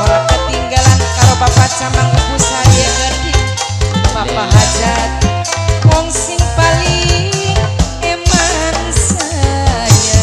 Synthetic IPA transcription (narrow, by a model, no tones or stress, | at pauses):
oɾaŋkat̪iŋɡalankaɾobapat͡ʃamaŋukusaijaɡandi | bapaɦad͡ʒat | wɔŋsiŋpaliŋ | eman | saja